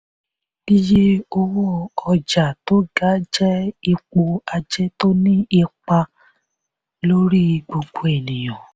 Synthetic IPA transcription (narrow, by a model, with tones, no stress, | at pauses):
ni˦je˦o˧wɔ˦ɔ˧d͡ʒa˨to˦ɡa˨˦d͡ʒɛ˦i˧k͡po˧a˧d͡ʒɛ˦to˦nĩ˦i˧k͡pa˧ | lo˦ɾi˦˧ɡ͡bo˧ɡ͡bo˨e˨nĩ˨j̃ɔ̃˨